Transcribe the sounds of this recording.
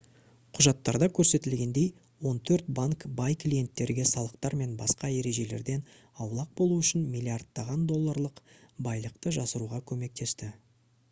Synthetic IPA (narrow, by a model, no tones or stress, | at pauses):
qʰʊʒɑt̪ːɑɾd̪ɑkʲʰɵɾse̞t̪ɪlɡʲe̞nd̪e̞j | wo̞nt̪ʰɵɾt̪̚baŋkbɑjklʲije̞nt̪ːe̞ɾɡʲesɑlˠəq̚t̪ɑɾme̞nbɑsqɑe̞ɾe̞ʒe̞le̞̰ɾd̪e̞n | ɑwlˠɑq̚bo̞lˠuʏʃɪnmijlʲiard̪ːɑʁɑnd̪o̞lˠːaɾlˠəqbɑjlˠəqt̪əʒɑsəɾuʁɑkʲʰɵme̞k̚t̪e̞st̪ɪ